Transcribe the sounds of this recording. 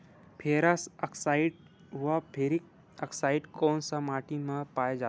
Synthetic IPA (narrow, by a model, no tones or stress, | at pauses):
pʰeːɾasəksaɪɖ | ɦʋapʰeɾik̚ | əksaiɖkoːnsamaːʈimə̃paːjed͡ʒa